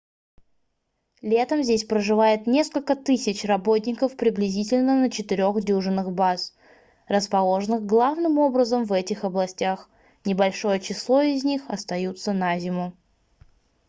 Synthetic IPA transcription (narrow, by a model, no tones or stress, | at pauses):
lʲe̞t̪əmzʲdʲesʲpɾəʐɨvajɪt̪nʲe̞skəlʲkət̪ɨsʲɪt͡ɕrɐbot̚ʲnʲɪkəfpɾʲɪblʲɪzʲitʲɪlʲnənət͡ɕɪt̪ɪɾʲo̞xdʲuʐɨnːɨxbas | rəspɐlˠo̞ʐɨnɨxɡlˠavnɨmo̞bɾəzəmvɛtʲɪxɐblˠɐsʲtʲax | nʲɪbɐlʲʂo̞jət͡ɕɪslˠo̞ɪzʲnʲixɐst̪ɐjut̪sənazʲɪmʊ